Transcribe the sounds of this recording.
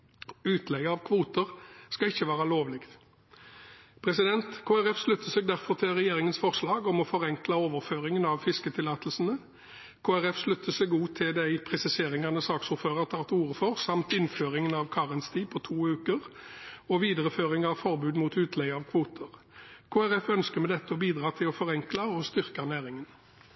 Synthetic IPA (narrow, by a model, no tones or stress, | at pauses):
ʉːt̪lɛɡəɑʋkʰʋuːt̪əʁskɑɪçːəʋɑːʁəloːʋlɪɡt̪ | pʰʁɛsɪd̪ɛnt̪kʰoːæʁɛfslʉt̪ːəsɛɡ̚d̪æʁfɔʁt̪ʰɪlʁɛjeːʁɪŋənsfɔʁslɑːɡɔmɔfɔʁɛŋkləoːʋəʁføːʁɪŋənɑʋfɪskət̪ʰɪlɑːt̪lsən̩ə | kʰoːæʁɛfslʉt̪ːəsɛɡuːt̪ʰɪld̪æɪpʰʁɛsɪseːʁɪŋɑnəsɑːksʊɾføːʁɑt̪ʰɑːt̪uːʁəfɔʁsɑmt̪ɪnføːʁɪŋənɑʋkʰɑːʁɪnst̪ʰiːpʰɔt̪ʰuːʉːkəʁɔʋiːd̪əʁəføːʁɪŋɑʋfɔʁbʉːd̪muːt̪ʉːt̪ʰlɛɡɑʋkʰʋuːt̪ʰəʁ | kʰoːæʁɛfœnskəʁmɛd̪ɛt̪ːəɔbiːd̪ɾʁɑːt̪ʰɪlɔfɔʁɛŋklɑɔst̪ʏʁkɑnæːʁɪŋən